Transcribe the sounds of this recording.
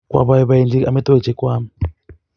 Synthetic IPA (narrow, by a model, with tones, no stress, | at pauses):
kʼwa̰˨βa˦jɛ˦βa˨e˨nd͡zʱi˦kamɛ˦tʼo˦i̥˨d͡ʒ̥ʱɛ˦kwaː˦mi